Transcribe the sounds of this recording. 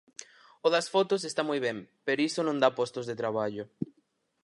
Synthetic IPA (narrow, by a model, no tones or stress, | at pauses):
ʊðɐsfɔt̪os̬est̪amujβɛ̃mpeɾoisonõnd̪apɔst̪ozðet̪ɾaβ̞aʎo